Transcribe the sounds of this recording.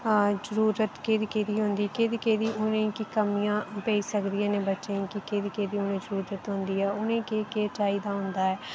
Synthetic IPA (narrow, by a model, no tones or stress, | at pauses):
zəɾuːɾət̪keːd̪iːkeːd̪iːɦʊ̃nd̪iːkeːd̪iːkeːd̪iːʔʊnẽkikəmijãːpeːisəkd̪ijãːnẽːbətːʃẽːĩkikeːd̪iːkeːd̪iːʊnẽːzəɾuːɾət̪ɦõnd̪iːɛːʊnẽkeːkeːt͡ʃaːiːd̪aːɦʊ̃nd̪aːɛː